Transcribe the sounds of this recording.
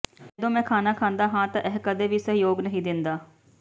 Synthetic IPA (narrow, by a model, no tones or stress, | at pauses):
ɛːd̪õːmɛ̃ːkʰaːnaːkʰãːnd̪aːɦãːt̪ãːʔɛɦkəd̪eːʋiːsəɦjoːɡnəɦĩːd̪ɪnd̪aː